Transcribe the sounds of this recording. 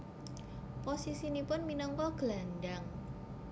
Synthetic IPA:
posisinipʊnminɔŋkɔɡ̥əlandaŋ

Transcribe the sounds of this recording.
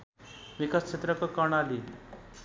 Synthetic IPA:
mikast͡ɕʰet̪ɾəkəkaɳaliːl

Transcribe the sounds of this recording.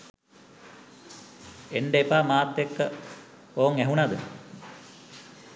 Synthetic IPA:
eɳɖeepaːmaːt̪ːekːə | oːŋæɦunad̪ə

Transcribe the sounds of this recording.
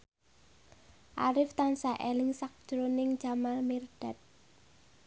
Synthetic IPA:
ʔa̰ɾɪft̪ansaʔelɪŋsak̚d̥ʒ̥ɾonɪŋd͡ʒ̥amalmird̥at̪̚

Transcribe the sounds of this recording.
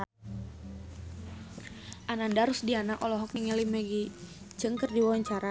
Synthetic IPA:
ʔanandaɾusdianaʔɔlɔɦɔk̚niŋɛlimɛɡi | t͡ʃəŋkərdiwawaɲt͡ʃaɾa

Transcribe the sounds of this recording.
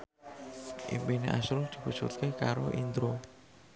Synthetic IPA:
ʔḭmbeneʔasɾod̪̥i̤pusut̪̚kekaɾoʔind̪ɾo

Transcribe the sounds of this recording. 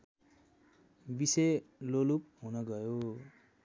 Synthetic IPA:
biselolup̚ɦunʌɡʌjo

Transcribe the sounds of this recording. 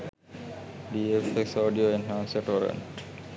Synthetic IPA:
ɖiefeksoːɖioenãːnseʈoɾḛ̃ɳʈ

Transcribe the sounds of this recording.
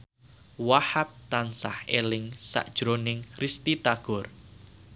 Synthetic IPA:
wahap̚t̪ansahelɪŋsa̰ʔd̥ʒ̥ɾonɪŋkɾist̪it̪aɡ̥ɔ̤r

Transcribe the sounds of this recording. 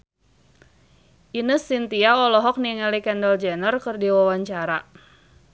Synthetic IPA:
ʔinəsint̪iaɔlɔɦɔk̚niŋɛlikɛndəld͡ʒɛnərkɨrdiwawaɲt͡ʃaɾa

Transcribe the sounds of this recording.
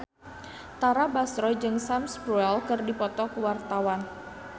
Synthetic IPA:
t̪aɾabasɾɔd͡ʒɨŋsamsbɾuɛlkɨrdipɔt̪ɔkəwart̪awan

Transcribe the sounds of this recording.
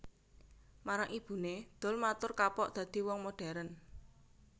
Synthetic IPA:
maɾaŋʔib̥ṳned̪̥ɔ̤lmat̪ʊrkapɔʔd̪̥ä̤d̪̥i̤wɔŋmoɖ̥a̤ɾən

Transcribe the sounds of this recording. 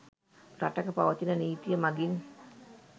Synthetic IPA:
ɾatakəpawat͡ʃinaniit̪iamaɡin

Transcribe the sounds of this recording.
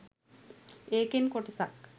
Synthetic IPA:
eːkenkoʈisak

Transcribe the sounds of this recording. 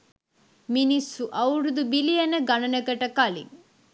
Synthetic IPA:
minisːuʔɐwɾud̪ubilijeneɡɐnɐnekɐʈɐkalḭŋ

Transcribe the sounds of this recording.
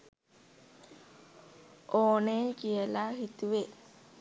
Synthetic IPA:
ʔoːnekijəlaɦit̪uʋe

